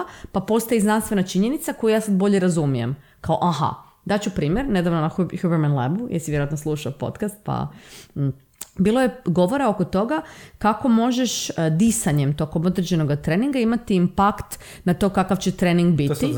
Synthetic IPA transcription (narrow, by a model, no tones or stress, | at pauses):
papo̞st̪ajiznanst̪ʋe̞nat͡ʃiɲe̞nit̪sako̞jujaːsad̪̚bo̞ʎeɾazumije̞̰mkaoʔaɦa̰ | d̪at͡ɕupɾiːmjeɾne̞d̪aʋnonaçjubeɾmanlebujḛɾsiʋjeɾoat̪noslˠuːʃaopo̞̰t̪kast̪̚pa̰ | biːlojeɡo̞ʋo̞ɾao̞kot̪o̞ɡakako̞mo̞ʒeʃd̪isaɲemt̪o̞ko̞mo̞d̪ɾed͡ʑe̞no̞ɡat̪ɾeniŋɡaimat̪iːmpakt̪ | nat̪o̞ːkakaʋt͡ɕet̪ɾeniŋɡbi